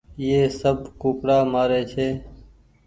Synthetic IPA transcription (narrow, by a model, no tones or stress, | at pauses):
jeːsəbkuːkɽaːmaːɾeːt͡ʃʰeː